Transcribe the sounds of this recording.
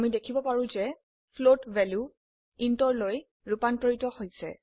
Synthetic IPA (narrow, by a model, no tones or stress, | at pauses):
amidekʰibɔpaɹũzɛ | pʰlotvɛlju | intɔɹloj | ɹupanpɔɹitɔhojsɛ̰